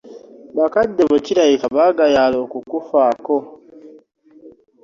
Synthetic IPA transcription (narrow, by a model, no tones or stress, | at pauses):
bakadɛbɔciɾaikabaɡajalokukufakɔ